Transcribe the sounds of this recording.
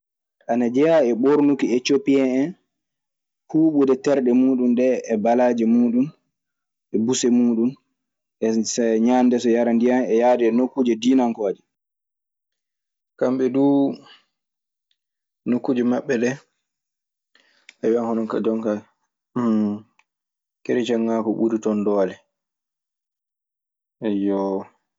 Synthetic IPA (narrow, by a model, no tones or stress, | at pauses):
ʔanad͡ʒɛjaɛɓoɾnukietopiɛɛn | huːɓudɛtɛɾɗɛmuːɗumɗɛːbalaːd͡ʒɛmuːɗun | ʔɛbusɛmuːɗun | ʔɛsaɲandɛsɔjaɾandijanɛjadɛːnokːud͡ʒɛdinaŋkɔd͡ʒɛ | kamɓɛduː | nokːud͡ʒɛmaɓːɛɗɛ | ʔawianhɔnɔka̰d͡ʒɔŋka | keɾit͡ʃɛŋːaːkɔɓuɾitɔndɔːlɛ | ajɔ